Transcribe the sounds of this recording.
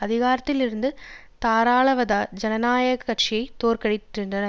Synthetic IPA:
ɐðɪɣaːɾɐt̪ːɪlɪɾɯnd̪ɯ | t̪aːɾaːɭɐʋɐðaːd͡ʒɛnɐnaːjɐɣɐkːɐʈ̚t͡ʃɪjɐɪt̪ːoːrkɐɽɪtːɪndrɐnɐ

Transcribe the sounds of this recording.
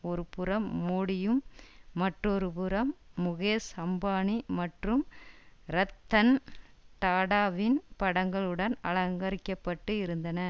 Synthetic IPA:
ɔɾɯpɯɾɐmːoːɽɪjɯmːɐʈrɔɾɯpɯɾɐmːʊɣeːsɐmbaːɳimɐʈrɯmɾɐt̪ːɐnt̪aːɽaːʋɪnpɐɽɐŋɡɐɭɯɽɐnɐɭɐŋɡɐɾɪkːɐpːɐʈːɯɪɾɯnd̪ɐnɐ

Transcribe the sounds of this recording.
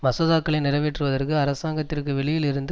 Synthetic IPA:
mɐsɐðaːkːɐɭɐɪnɪɾɐʋeːʈrɯʋɐðɐrkɯɐɾɐsaːŋɡɐt̪ːɪrkɯʋɛɭɪjɪlɪɾɯnd̪ɯ

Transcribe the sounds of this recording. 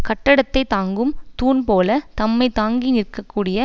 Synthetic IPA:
kɐʈːɐɽɐt̪ːɐɪt̪aːŋɡɯmt̪uːnpoːlɐt̪ɐmːɐɪt̪aːŋɡinɪɾkːɐkːuːɽɪjɐ

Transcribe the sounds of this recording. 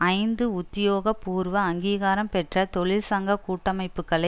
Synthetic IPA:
ɐɪnd̪ɯʊt̪ːɪjoːɣɐpuːɾʋɐːŋɡiːɣaːɾɐmpɛʈrɐt̪ɔɭɪlsɐŋɡɐkuːʈːɐmɐɪpːɯkːɐɭɐ

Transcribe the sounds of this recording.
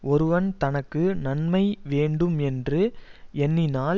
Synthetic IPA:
ʔɔɾɯʋɐnt̪ɐnɐkːɯnɐnmɐɪʋeːɳɖɯmɛndrɯɛnːɪnaː

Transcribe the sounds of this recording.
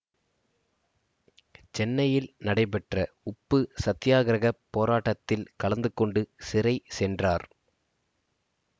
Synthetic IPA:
t͡ʃɛnːɐjɪlnɐɽɐɪpɛʈrɐ | ʊpːɯsɐt̪ːɪjaːɣɐɾɐɣɐpːoːɾaːʈːɐt̪ːɪlkɐɭɐnd̪ɯkːɔɳɖɯsɪɾɐɪsɛndraːɾ

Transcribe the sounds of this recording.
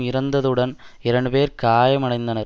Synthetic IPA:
mɪɾɐnd̪ɐðɯɽɐnɪɾɐɳɖɯpeːɾkaːjɐmɐɳɐɪnd̪ɐnɐɾ

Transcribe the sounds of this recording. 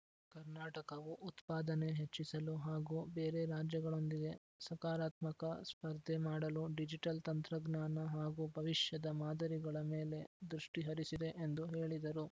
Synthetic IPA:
kɐɾnaːʈɐkɐʋuʔut̪paːd̪ɐne̞ɦet͡ʃːisɐluɦaːɡuːbe̞ːɾe̞ɾaːd͡ʒjɐɡɐɭo̞nd̪iɡe̞ | sɐkaːɾaːt̪mɐkɐspɐɾd̪ʱemaːɽɐluɖid͡ʒiʈɐlt̪ɐnt̪ɾɐɡnaːnɐɦaːɡubʱɐʋiʃjɐd̪ɐmaːd̪ɐɾiɡɐɭɐme̞ːle̞d̪ɾuʂʈiɦɐɾisid̪e̞ʔend̪uɦe̞ːɭid̪ɐɾu

